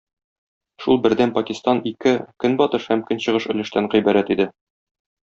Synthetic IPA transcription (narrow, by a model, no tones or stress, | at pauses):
ʃulˠbɘ̆ɾd̪ænpɐkʲist̪ɑnikɘkɵnbɒt̪ɤʃhæmkɵnɕɤ̆ʁɤʃɵ̆lɘ̆ʃt̪æɴʁijbæɾæt̪id̪ɘ